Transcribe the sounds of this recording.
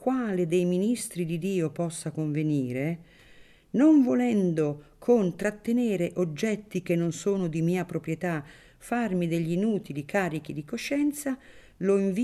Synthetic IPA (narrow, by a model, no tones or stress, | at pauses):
kwaːled̪ejminist̪ɾid̪id̪iːopɔsːakoɱveniːɾe | noɱvolɛnd̪okʰont̪ɾat̪ːeneːɾeʔod͡ʒːɛt̪ːik̟enːonsoːnod̪imiːapɾopɾjet̪a | farmid̪eʎːinuːt̪ilikʰaːɾik̟id̪ikoʃːɛnt̪sa | loiɱv